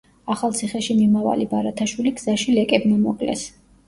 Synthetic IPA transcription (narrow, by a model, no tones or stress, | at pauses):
aχalˠt̪sʰiχɛʃimimava̰libaɾat̪ʰaʃwiliɡz̥aʃilɛkʼɛbnamɔ̰kʼlɛ̰s